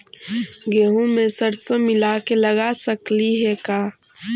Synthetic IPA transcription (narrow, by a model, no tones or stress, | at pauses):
ɡeːɦũmẽsəɾsomɪlakelɐɡasəkliɦɛkaː